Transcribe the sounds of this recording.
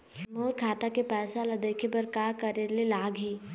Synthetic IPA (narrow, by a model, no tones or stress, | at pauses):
moːɾkʰaːt̪akepɛːsalad̪eːkʰepɐɾkaːkəɾelelaːɡʱɦiː